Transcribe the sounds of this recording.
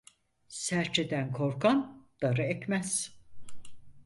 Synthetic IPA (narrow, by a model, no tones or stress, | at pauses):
sæɾt͡ʃʰed̪ænkʰo̞ɾkʰand̪̥aɾɯɛcmæz̥